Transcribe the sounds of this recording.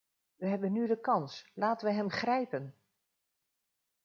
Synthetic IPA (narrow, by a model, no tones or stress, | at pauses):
ʋəɦɛbənːydəkɑnslaːtənʋəɦɛmχrɛjpən